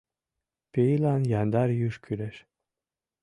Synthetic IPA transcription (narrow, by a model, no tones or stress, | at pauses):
peilanjand̪aɾjuʃkʰyɾɛʃ